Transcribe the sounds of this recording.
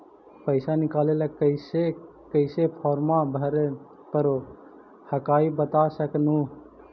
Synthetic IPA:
pəɪsanikalelekəɪse | kəɪsepʰɔːɾmabʱəɾe | pəɾo | həkaibət̪asəknu

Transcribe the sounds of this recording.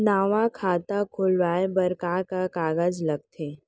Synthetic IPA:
naːʋãkʰaːt̪akʰʊlʋaːebɐɾkakakaːɡad͡ʒlɐɡ̚t̪ʰeː

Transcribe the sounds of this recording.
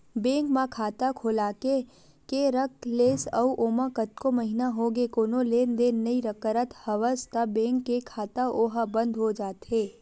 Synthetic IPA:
bẽːŋkmãkʰaːt̪akʰʊlaːke | keɾəkleːsəuʔoːmakət̪̚komɐɦɪnaɦoɡekoːnõleːnd̪ennɐiɾəkəɾət̪hɐʋəst̪abẽːŋkːekʰaːt̪aʔoːɦabə̃nd̪ʱɦod͡ʒaːt̪ɦeː

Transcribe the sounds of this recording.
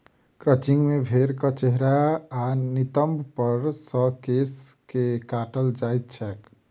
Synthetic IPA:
kɾət͡ʃiŋɡmebʱeɾkət͡ʃeɦɾaː | nit̪əmbʱpəɾsəkeskekaʈəld͡ʒajt̪̚t͡ʃʰɛk

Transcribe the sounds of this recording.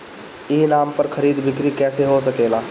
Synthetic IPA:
inampəɾkʰəɾiːd̪bʱɪkɾikɛseɦosəkela

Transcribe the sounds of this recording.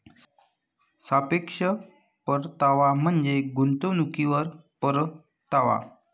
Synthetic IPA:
sapekʂə | pəɾt̪aʋam̤əɳd͡zeɡunt̪ənukiʋəɾpəɾ | t̪aʋa̰

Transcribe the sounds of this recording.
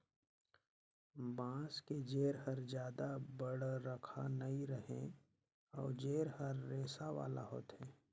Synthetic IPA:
bãːsked͡ʒeːɾɦəɾd͡ʒjaːd̪abəɽɾəkʰanɐiɾəɦẽ | ɔ̰ːɾd͡ʒeːɾhəɾːeːsaʋa̰ːla̰ɦo̰ːt̪ɦɛː

